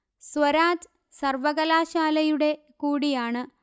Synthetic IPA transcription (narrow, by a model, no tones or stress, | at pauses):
swɐɾaːt | sɐrʋɐɣɐlaːɕaːlɐjuɽe̞ | kuːɽijaːɳɨ